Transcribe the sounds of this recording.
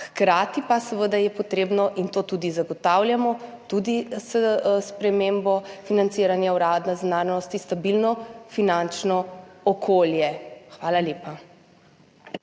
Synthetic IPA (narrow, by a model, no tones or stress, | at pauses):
xkɾaːt̪ipasɛʋəd̪ajɛpɔt̪ɾeːbnɔʔint̪oːt̪uːd̪izaɡɔt̪awljamɔt̪ud̪isspɾɛmembɔfinant̪siːɾanjauɾaːd̪naznaːɾnɔst̪ist̪abilnɔfinant͡ʃnɔɔkʰoːljɛxʋaːlaleːpa